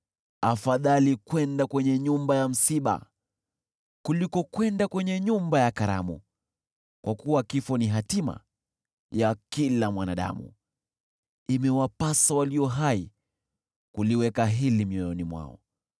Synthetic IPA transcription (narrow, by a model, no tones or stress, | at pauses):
afaðalikwɛndakwɛɲɛɲumbajam̩siɓa̰ | kulikɔkwɛndakwɛɲɛɲumbajakaɾa̰mṵ | kwakuwakifɔniɦatima̰ | jakilamwanaɗa̰mṵ | imɛwapasawaliɔɦai | kuliwɛkaɦilimiɔjɔnimwa̰ɔ̰